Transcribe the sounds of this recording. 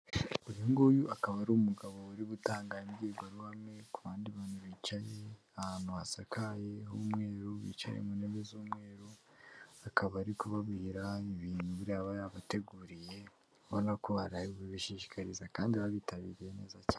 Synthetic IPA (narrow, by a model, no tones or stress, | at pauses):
uɾiŋɡojuakaβaɾuːumuɡaβo̞uɾiβutaːŋɡamɡieɡwaɾuhame̞kuβaːndiβaːnuβiːt͡ʃaje | ahanuwasakaje̞ɦuːmŋe̞ːɾuβḭt͡ʃa̰jḛmuneβezuːmŋe̞ːɾu | akʰaβaɾikuβaβihiɾaiβiːnhuβuɾaːβajaβate̞ɡuːɾije̞ | βanakuβaɾaiiβiʃiːʃi̥kaɾizakaːndiβaβitaβḭːɾijene̞ːzacaː